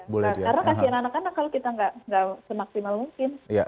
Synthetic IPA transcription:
bolɛakaɾənakasiananakanakːalokit̪aŋɡaʔŋɡaʔsəmaksimalmuŋkɪnja

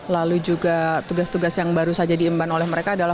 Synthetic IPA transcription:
lalud͡ʒuɡat̪uɡast̪uɡasjaŋbaɾusad͡ʒadiːmbanolɛhməɾekaːdala

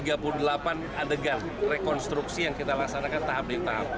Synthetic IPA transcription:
iɡapuludəlapan | adəɡan | rekɔnst̪ɾuksijaŋkit̪alasanakant̪abet̪a̰u

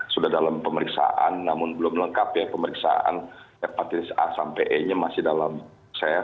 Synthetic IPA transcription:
sudahdalampəməɾiksa̰ʔa̰nːamʊnbəlʊmləŋkapjapəməɾiksa̰a̰n | apat̪isasampeʔɛɲamasɪhdalam | saja

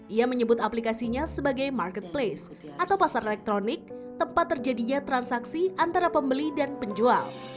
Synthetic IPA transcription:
ʔiaməɲəbʊt̪aplikasiɲasəbaɡajmarkət̪̚ples | ʔat̪awpasaɾelɛk̚t̪ɾonɪk̚t̪əmpat̪ːərd͡ʒadiɲat̪ɾansaksiʔant̪aɾapəmbəlidanpəɲd͡ʒua̰l

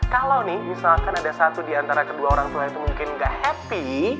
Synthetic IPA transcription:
kalawnɪhmisalkanadasat̪udiant̪aɾakəduaoɾaŋt̪uait̪umuŋkɪnŋɡaʔhɛpi

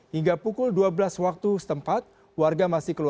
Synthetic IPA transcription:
hiŋɡapukʊlduabəlaswak̚t̪usə̥t̪əmpat̪̚ | warɡamasɪhkəlu

